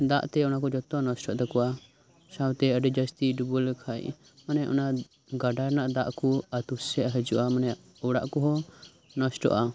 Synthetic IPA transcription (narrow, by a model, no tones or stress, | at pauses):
d̪a̰ʔt̪ɛɔnakɔd͡ʒɔt̪ɔnɔsʈɔʔt̪ɛkua | sawt̪ɛəɖɛd͡ʒast̪idubulkʰaj̰ | manɛjaʔɔ̰na | ɡaɖaɾnaʔd̪aʔkuat̪usɛʔaɦəd͡ʒuʔamanɛ | ɔɽaʔkuɦɔ | nɔsʈɔ̰ʔa